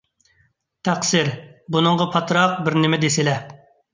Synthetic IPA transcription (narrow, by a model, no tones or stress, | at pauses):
t̪ʰæqsɪɾbunɨŋʁɑpʰɑt̪ʰɾɑq̚bɪɾnɪmɛd̪esɪlɛ